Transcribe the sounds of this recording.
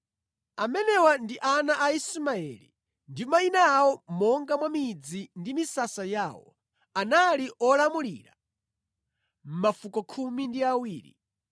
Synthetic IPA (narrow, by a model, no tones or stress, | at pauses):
amɛnɛwandiʔanaʔaismaɛ̰lḭ | ndimainaːwɔmɔŋɡamwamid͡zindimisasajaːwɔ̰ | analiʔɔlamulḭɾa | m̩mafukɔkʰumindiawiːɾḭ